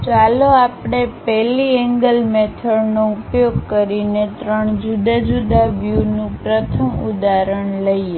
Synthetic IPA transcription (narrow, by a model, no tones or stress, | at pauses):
t͡ʃaloapɽ̃epɛliɛŋɡəlmet̪ʰəɽnoupjoɡ̚kəɾinet̪ɾəɳd͡ʒud̪ad͡ʒud̪aʋjunũpɾət̪ʰəmṵd̪aɾəɳləie